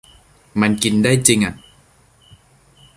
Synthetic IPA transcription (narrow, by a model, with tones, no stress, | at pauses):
ma˧nki˧ndaː˥˩jt͡ɕi˧ŋʔa˨˩